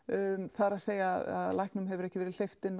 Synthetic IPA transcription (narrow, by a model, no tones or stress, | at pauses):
θaɾaðseːjaða̰ðlajhknʏmɦɛvʏɾɛhcɪvɛːɾɪl̥ejft̪ɪnː